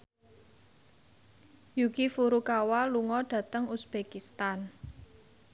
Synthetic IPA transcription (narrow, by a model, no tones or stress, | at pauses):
jukifuɾukawaluŋɔɖ̥ä̤t̪əŋusb̥ekist̪an